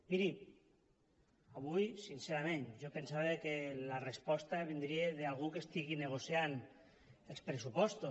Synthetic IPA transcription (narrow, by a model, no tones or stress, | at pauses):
miɾi | aβujsinseɾamẽnʒopensaβekelarespɔst̪aβend̪ɾieðealˠɣ̞ukest̪iɣineɣ̞osjan | elˠspɾesupɔst̪o